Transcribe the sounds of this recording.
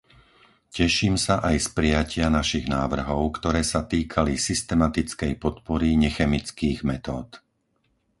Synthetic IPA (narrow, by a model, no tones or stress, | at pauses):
cɛʃiːmsaʔajspɾɪjacɪanaʃiɣnaːʋr̩ɦɔʊkt̪ɔɾɛːsat̪iːkʰalisist̪ɛmat̪it͡skɛjpɔt̪pɔɾiɲɛxɛmit͡skiːɣmɛt̪ɔːt̪